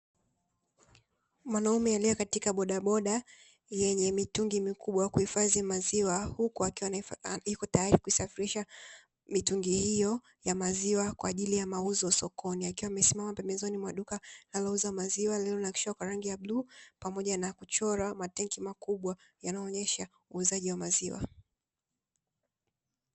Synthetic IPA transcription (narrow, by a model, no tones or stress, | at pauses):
mwanaumɛalijɔkatikaɓɔɗaɓɔɗa | jɛɲɛmituŋɡimikuɓwakuhifazimaziwahukuakiwaikɔtajaɾikuisafiɾiʃa | mituŋɡihijɔ | jamaziwakwaːʄilijamauzɔsɔkɔniakiwamɛsimamapɛmbɛzɔnimwaɗukalalɔuzamaziwalɛlɔnaki̥ʃwakwaɾaŋɡijablupamɔʄanakut͡ʃɔɾamatɛŋkimakuɓwa | janaɔːɲɛʃa | uːzaʄiwamaziwa̰